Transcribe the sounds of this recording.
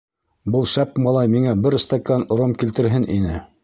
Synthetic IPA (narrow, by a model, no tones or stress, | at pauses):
bɤlˠʃæpmɑlˠɑjmiŋæbɘɾst̪ɑkɑn̆ɾomkilt̪ɘ̆ɾɦɘnʔinɘ